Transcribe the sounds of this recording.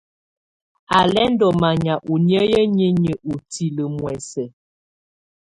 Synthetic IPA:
a˨lɛ˦n˦dɔ˨ma˨ɲa˨ʔu˨njə˦jə˦ɲe˦ɲə˨ʔu˨ti˨lə˨mwɛ˨sɛ˨

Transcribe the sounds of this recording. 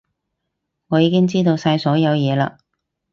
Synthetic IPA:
ŋɔː˨˧jiː˨˥kɪ˥ŋt͡siː˥t̪o˧wsaː˧jsɔː˨˥jɐ˨˧wjɛː˨˧la̰ː˧

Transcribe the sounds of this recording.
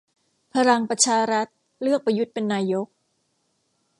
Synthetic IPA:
pʰa˧ɾa˧ŋpɾa˧t͡ɕʰaː˧ɾa˦˥t̪̚ | lɯ˥˩ək̚pa˧ju˦˥t̪̚pe˧nːaː˧jo˦˥k̚

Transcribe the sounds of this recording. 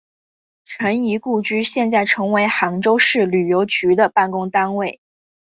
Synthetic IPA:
ʈ͡ʂʰə˧˥ni˧˥ku˥˩t͡ɕy˥ɕjɛ˥˧nt͡sa˥˩ɪʈ͡ʂʰɤ˧˥ŋwe˧˥ɪxɑ˧˥ŋʈ͡ʂo˥ʊʂɻ̩˥˩ly˨˩jo˧˥ʊt͡ɕy˧˥d̪ə˧pa˥˩nkʊ˥ŋt̪a˥nwe˥˩ɪ

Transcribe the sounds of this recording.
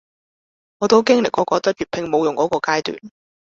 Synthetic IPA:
ŋɔː˨˧t̪o˥wkɪ˥ŋlɪ˨kːɔː˨˥kɔː˨˥t̪ɐ˥t̚jyː˨˩pʰɪ˧ŋmo˨˧wjʊ˨˩ŋkɔː˨˥kɔː˧kaː˥jt̪y̰ː˨˩n

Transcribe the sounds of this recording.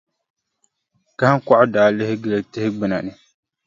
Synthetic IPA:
ka˦ha˦ŋ˦kɔ˦ʔʊ˦daː˨lɪ˦hɪ˦ɡɨ˦le˦tɪ˦hɪ˦ɡ͡bɨ˨na˨nɨ˨

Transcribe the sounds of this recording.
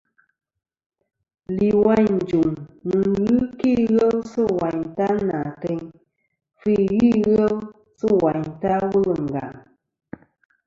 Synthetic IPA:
li˨wa˦˨ɲn̩˨d͡ʒu˨ŋnɨ˨ɣɨ˦ki˦ɣə˦lsɨ˦wa˨ɲta˦na˨tɛ˧ɲ | fi˦˨ɣi˦˨ɣə˦l | sɨ˦wa˨ɲta˦wu˦lɨ˨ŋ̩˨ɡa̰˨ŋ

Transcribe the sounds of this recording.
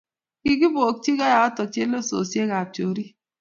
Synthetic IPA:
ɡi˦ɡi˦bo˨ti˦ɣa˦ja˨ɔ˦tɔ˨t͡ʃe˦lo˦so̰˨sje˦ɣa˨to˨ɾi˦

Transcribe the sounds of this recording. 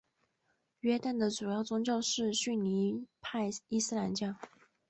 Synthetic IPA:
ɥɛ˥t̪a˥˩nd̪ə˩ʈ͡ʂu˨˩jɑ˥˩ʊt͡sʊ˥ŋt͡ɕjɑ˥˧ʊʂɻ̩˥˧ɕy˥˩ni˧˥pʰa˥˧ɪi˥˩sɹ̩˥˧la˧˥nt͡ɕjɑ˥˩

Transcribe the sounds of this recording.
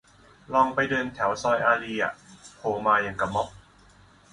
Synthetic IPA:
lɔː˧ŋpa˧jdɤː˧nt̪ʰɛ˩˦wsɔː˧jʔaː˧liː˧a̰˨˩pʰoː˨˩maː˧ja˧ŋka˧˩mɔ˦˥p̚

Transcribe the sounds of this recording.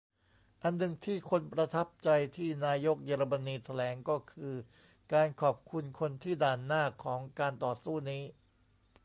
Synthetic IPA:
ʔa˧nːɯ˨˩ŋt̪ʰiː˥˩kʰo˧npɾa˧t̪ʰa˦˥p̚t͡ɕa˧jt̪ʰiː˥˩naː˧jo˦˥k̚jeː˧ɾa˧ma˧niː˧t̪ʰa˧lɛː˩˦ŋkɔː˥˩kʰɯː˧ | kaː˧nkʰɔː˨˩p̚kʰu˧nkʰo˧nt̪ʰiː˥˩daː˨˩nːaː˥˩kʰɔː˩˦ŋkaː˧nt̪ɔː˨˩suː˥˩niː˦˥

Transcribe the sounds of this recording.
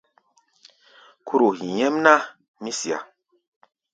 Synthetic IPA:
kʰu˦ɾo˨hi˨jɛ˦mna˦ | mĩ˦si˨a̰˨

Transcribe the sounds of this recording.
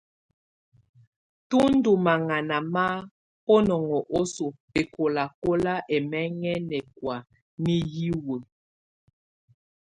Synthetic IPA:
tu˦n̩˦du˨ma˨ŋa˨na˨ma˦ | pɔ˦nɔ˨ŋɔ˨ʔo˦so˨pe˨kʰo˨la˨ko˦la˦ʔɛ˨mɛ˦ŋɛ˦nɛ˨kwa˨ | ni˦ji˦wo˨

